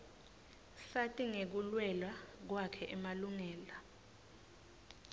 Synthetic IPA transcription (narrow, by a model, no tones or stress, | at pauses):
satʼiŋek̬ulwɛlwak̬wakʰɛʔɛmaluŋɛːla